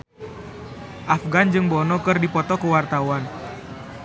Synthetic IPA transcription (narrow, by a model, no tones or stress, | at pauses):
ʔafɡand͡ʒɨŋbɔnɔkɨrdipɔt̪ɔkəwart̪awan